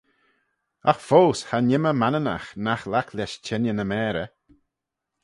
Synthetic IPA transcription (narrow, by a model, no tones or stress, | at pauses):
axfoːshanɪməmanəna̰xnaxlakʰlɛʃt͡ʃʰɛnjənəmɛːɾə